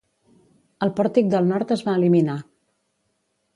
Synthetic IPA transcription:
əlˠpɔɾt̪ik̚d̪əlˠnɔɾt̪əzβaəːlimina

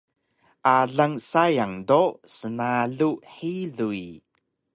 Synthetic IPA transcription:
ʔaɮaŋsajaŋdosənaɮuʔħiɮui

